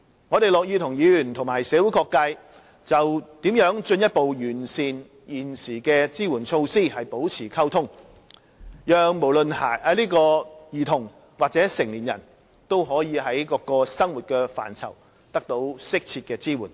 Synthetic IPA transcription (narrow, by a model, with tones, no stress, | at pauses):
ŋɔ˨˧t̪e˨˩jlɔː˨k̚jiː˨˧t̪ʰʊ˨˩ŋjiː˨˧jyː˨˩nt̪ʰʊ˨ŋmaː˨˩jsɛ˨˧wu˨˥kɔː˧kːaː˧j | t͡sɐ˨wt̪iː˨˥mjœː˨˥ŋt͡ʃɵ˧njɐ˥t̚po˨wjyː˨˩nsiː˨n | jiː˨˩nsiː˨˩kɛː˧t͡siː˥wuː˨˩nt͡ʃʰo˧wsiː˥hɐ˨jpo˨˥wt͡sʰiː˨˩kʰɐ˥wt̪ʰʊ˥ŋ | jœː˨ŋmo˨˩wlɵ˨nhaː˨˩ɐ˧liː˥kɔː˧jiː˨˩t̪ʰʊ˨˩ŋ | waː˨k̚t͡sɛː˨˥sɪ˨ŋliː˨˩njɐ̰˨˩n | t̪o˥wɦɔː˨˥jiː˨˧ɦɐ˨˥jkɔː˧kːɔː˧sɐ˥ŋwu˨t̚kɛː˧fa̰ː˨˩nt͡sʰɐ̰˨˩w | t̪ɐ˥k̚t̪o˨˧˥wsɪ˥k̚t͡sʰiː˧t̚kɛː˧t͡siː˥˩wuː˨˩n